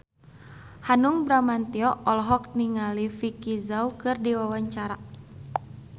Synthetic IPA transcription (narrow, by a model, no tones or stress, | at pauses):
hanuŋbɾamant̪iɔʔɔlɦɔk̚niŋalifikizaukɨrdiwawaɲt͡ʃaɾa